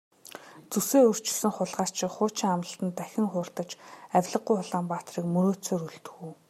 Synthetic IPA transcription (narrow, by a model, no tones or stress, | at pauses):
t͡suseːɵr̥t͡ɕɪ̆sɘ̆ŋχʊɮʁaːr̥t͡ɕʰɪkχʊːt͡ɕʰɪːŋamə̆ɬt̪ə̆nt̪æxʲɪ̆ŋχʊːr̥t̪ə̆t͡ɕæwʲɮə̆ɢːʊjʊɮaːmpaːt̪riːkmɵɾoːt͡soːɾɵɮt̪ɵ̥̆ɣuː